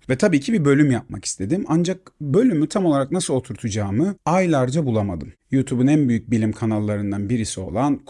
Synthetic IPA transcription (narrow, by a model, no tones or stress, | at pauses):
vɛt̪ʰabiːcʰibibø̞lʲymjap̚ma̰ki̥st̪ʰe̞d̪imand͡ʒak̚bø̞lʲymyt̪ʰamo̞lˠaɾaknasɯlˠo̞t̪ʰuɾt̪ʰud͡ʒaːmɯajlʲˠaɾd͡ʒabulˠamad̪ɯmjut̪ʰubunænbyjyc̚bilʲimkʰanalˠːaɾɯnd̪anbiɾisio̞̰lˠank